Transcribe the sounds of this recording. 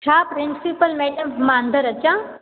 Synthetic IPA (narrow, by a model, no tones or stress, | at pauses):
t͡ʃʰaːpɾinsipəlmeʈɐmmaːnd̪ʱəɾɐt͡ʃã